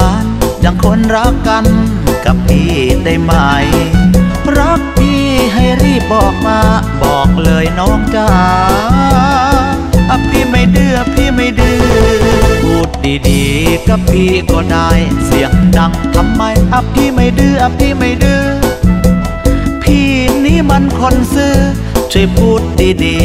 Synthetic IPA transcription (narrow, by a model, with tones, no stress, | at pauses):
aː˧˩nt͡ɕa˧˩ŋkʰo˧˥˨nɾa˦˥kːa˧n | ka˨˧˩p̚ːiː˧˩t̪a˧˩jma˧˩j | ɾa˦˥k̚pʰiː˧˩˧ɦa˧˩jɾiː˧˥˩p̚bɔː˨˩k̚maː˧bɔː˨˩k̚lɤː˧jnɔː˦˥ŋt͡ɕaː˧ | ʔa˧p̚t̪ʰiː˧˥˩ma˧˩jdɯː˧˩ʔa˧p̚t̪ʰiː˧˩ma˧˩jdɯː˧ | buː˧˩t̪̚diː˧diː˨˩ka˧˩pʰiː˧kɔː˧˩daː˧˩jsi˨˩˦əŋda˧ŋt̪ʰa˧mːa˧˩jʔa˧˩p̪̚ʰiː˧˩ma˧˩jdɯː˧˩ʔa˧pʰiː˧˥ma˧˩jdɯː˧ | pʰiː˧˩niː˦˥˨ma˧˥˨nkʰo˧nsɯː˧˥ | t͡ɕʰu˧˩p̚uː˧˩t̪̚diː˧diː˨˧